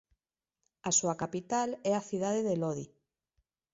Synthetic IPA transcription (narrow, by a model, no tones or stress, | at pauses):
asuakapit̪alɛaθiðaðeðeloði